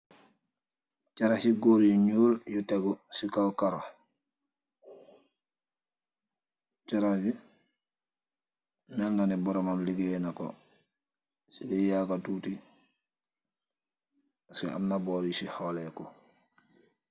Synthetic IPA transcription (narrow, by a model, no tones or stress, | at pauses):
caɾasiɡoɾiɲuːljuteɡusikawkaɾo | t͡ʃaɾabi | meŋɡanibɔɾomamliɡenako̰ | sidejaːkatuːti | asḭa̰mnaboːɾisiholeko